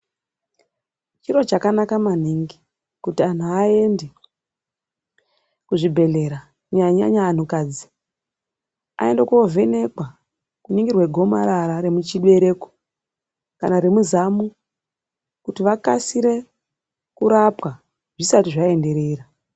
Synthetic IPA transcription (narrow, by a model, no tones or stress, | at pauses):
t͡ʃiɾo̞t͡ʃakanakaman̤iŋɡi | kutian̤uae̞nde | kuʐibʱe̞ɮe̞ɾa | ɲaɲa̰ɲaːn̤ukaːd͡zi̥ | a̰e̞ndekove̞ne̞kwa | kuɲiŋɡirwe̞ɡʱo̞ma̰ɾaɾaɾe̞mut͡ʃiɗe̞ɾe̞ko̥ | ka̰naɾemuzamu | kutiʋakasiɾe̞ | kuɾapwa | ʐ̥isatiʐae̞nde̞ɾeːra